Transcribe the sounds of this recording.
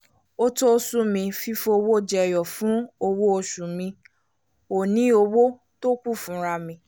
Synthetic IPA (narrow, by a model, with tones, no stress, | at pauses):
o˦to˦sũ˦mĩ˧fi˦fo˧wo˦d͡ʒɛ˧˨jɔ˨fũ˨˦o˧wo˦o˧ʃu˨mĩ˧ | o˨nĩ˨˦o˧wo˦ | to˦k͡pu˦˨fũ˨˦ɾa˧mĩ˧